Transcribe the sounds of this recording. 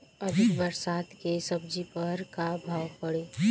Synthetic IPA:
əd̪ʱɪkʋəɾsaːt̪kesəb̚d͡ʒipəɾkabʱaːʋpəɽe

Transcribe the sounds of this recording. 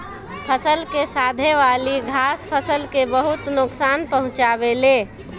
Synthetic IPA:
pʰəsəlkesad̪ʱeʋaliɡʱaspʰəsəlkebəɦut̪nʊksanpəɦʊ̃t͡ʃabele

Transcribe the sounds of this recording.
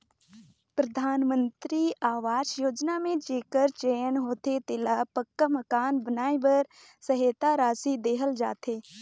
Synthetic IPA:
pɾəd̪ʱaːnmə̃nt̪ɾiaːʋaːd͡ʒjoːd͡ʒnamẽd͡ʒeːkəɾt͡ʃeːənɦoːt̪et̪ɪlapəkːaməkaːnbənaːibəɾ | səɦeːt̪aɾaːsid̪eːɦəld͡ʒa̰ːt̪ʰeː

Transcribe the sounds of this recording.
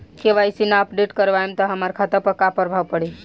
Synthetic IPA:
keʋaisinaəpɖeʈkəɾʋaẽmt̪ɔɦəmaɾkʰat̪əɾpəkapəɾbʱaʋpəɽi

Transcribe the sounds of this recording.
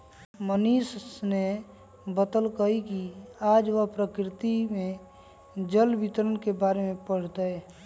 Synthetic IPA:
məniːsne | bət̪əlkəɦikiaːd͡ʒʋəɦpɾəkɾɪt̪imẽ | d͡ʒəlbɪt̪ɾənkebaːɾemẽpəɽ̤t̪əɛ

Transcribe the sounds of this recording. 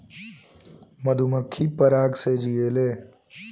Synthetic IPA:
məd̪ʱuməkʰːipəɾaːɡsed͡ʒijeːle

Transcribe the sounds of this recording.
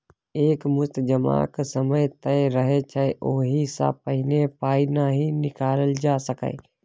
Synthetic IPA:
eːkmʊst̪d͡ʒəma̰ːksəməjt̪əɾəɦet͡ʃʰɛeʔoːɦisa̰pəɦɪnepaːinaɦinɪkaːɾəld͡ʒaːsəkə̰ː

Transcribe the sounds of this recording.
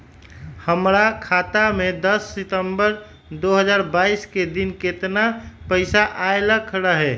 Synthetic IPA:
həmɾakʰat̪amẽd̪əsːɪt̪əmbəɾ | d̪oɦəd͡ʒaːɾbaːisked̪inket̪napəɪsaʔaeləkʰɾəɦɛː

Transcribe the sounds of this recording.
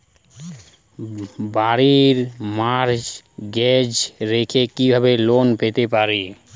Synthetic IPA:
baɾiɾmaɾd͡ʒɡɛd͡ʒɾekʰekibʱabelonpet̪epaɾi

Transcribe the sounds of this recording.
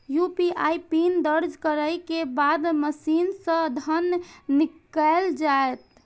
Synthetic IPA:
jupiʔa̰jpind̪əɾd͡ʒkəɾəjkebad̪məsinsə̃d̪ʱənːikəeld͡ʒaet̪̚

